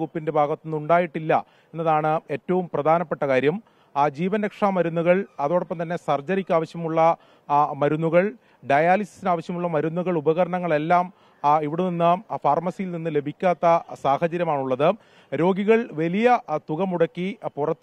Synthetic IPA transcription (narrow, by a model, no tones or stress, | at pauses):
upːinde̞bʱaːɡɐt̪ːunːuɳɖaːjiʈːilːɐ | e̞nːɐðaːɳɨe̞ːtːɐʋumprɐd̪ʱaːnɐpːe̞ʈːɐkaːɾjɐm | d͡ʑiːʋɐnɾɐkʂaːmːɐɾunːuɣɐɭɐðoːɽopːɐmt̪ɐnːe̞sɐrd͡ʑɐɾikʲːuaːʋɐɕjɐmuɭːɐ | mɐɾunːuɣɐɭ | ɖɐjaːlisi̥sinaːʋɐɕjɐmuɭːɐmɐɾunːuɣɐɭubɐɣɐɾɐɳɐŋːɐɭe̞lːaːm | iʋiɽuninːɨfaːrmɐsijilninːɨle̞bʱikʲːaːt̪ːɐsaːhɐd͡ʑɐɾjɐmaːɳuɭːɐðɨ | ɾo̞ːɡiɣɐɭʋɐlijɐt̪uɣɐmuɽɐkːipurɐt̪ː